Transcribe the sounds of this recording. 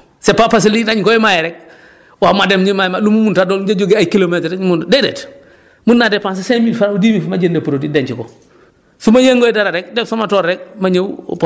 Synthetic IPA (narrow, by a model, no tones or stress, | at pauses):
sepapas̬ilidaɲkoimajɛɾek̚ | wamademɲimajmalumumuntadoːld͡ʒad͡ʒoɡeakilometɾɲmundedḛt | munːadepans̬esemifaɾaudiːmifumaɟendepuɾodideɲt͡ʃiko̰ | sumajeŋɡojidaɾaɾek̚desomatoːɾːek̚maɲewp